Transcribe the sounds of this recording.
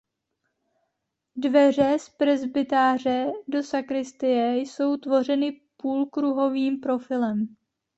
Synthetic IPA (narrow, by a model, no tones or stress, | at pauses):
dvɛr̝ɛspɾɛzbɪt̪aːr̝ɛdo̞sakɾɪst̪ɪjɛjso̞wt̪vo̞r̝ɛnɪpuːlkɾuɦo̞viːmpɾo̞fɪlɛm